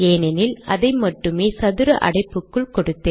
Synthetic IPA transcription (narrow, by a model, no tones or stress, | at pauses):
eːnɐnɪlʔɐðɐɪmɐʈːɯmeːsɐðɯɾɐʔɐ̰ɽɐɪpːɯkːɯɭkɔɽɯt̪ːeː